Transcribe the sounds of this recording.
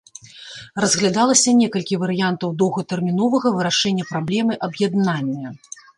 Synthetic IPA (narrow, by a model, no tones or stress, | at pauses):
rɐzɣlʲad̪alˠɐsʲɐnʲɛkɐlʲkʲivɐɾɨjant̪ɐwd̪ɔwɣɐt̪ɛrmʲin̪ɔvɐɣɐvɨɾaʂɛnʲːɐpɾablʲɛmɨʔɐbjad̪nanʲːɐ